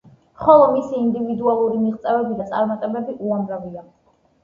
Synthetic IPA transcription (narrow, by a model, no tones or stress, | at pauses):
χɔlˠɔmisiːnd̪ivid̪ualˠuɾimiʁt̪sʼɛvɛbid̪at̪sʼaɾmat̪ʼɛbɛbiʔuamɾavia